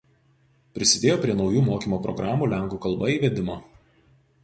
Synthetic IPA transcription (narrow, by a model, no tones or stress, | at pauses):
pʲɾʲɪsʲɪd̪ʲeːjoːpʲɾʲiɛnɒʊjuːmoːkʲiːmoːpɾɔ̰ɡɾɑːmuːlʲæŋˑkuːkɐlˠbɐiːʋʲɛd̪ʲɪmoː